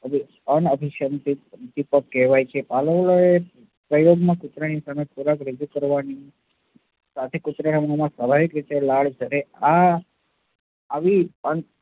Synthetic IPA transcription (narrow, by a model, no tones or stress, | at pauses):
əbʱi | ənəbʱiʃənt̪it̪ipəːɛʋajt͡ʃʰepaləʋloe | pɾəjoɡmãkʊt̪ɾanisamep̪ʰuɾakɾəd͡ʒukəɾʋani | sat̪ʰekut̪ɾanamənumãsʋabʱaʋikɾit̪elaɭd͡ʒʰəɾea | ʋiəɳ